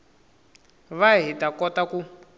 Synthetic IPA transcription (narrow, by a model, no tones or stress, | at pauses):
βaɦitakɔtaku